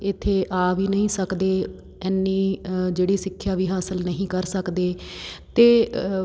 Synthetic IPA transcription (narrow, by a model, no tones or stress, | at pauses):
ɪt̪ʰːeːʔaːʋiːnəɦĩːsəkd̪eː | ɛːnːiːd͡ʒeːɽiːsɪkʰːjaːʋiːɦaːsəlnəɦĩːkəɾsəkd̪eːt̪eː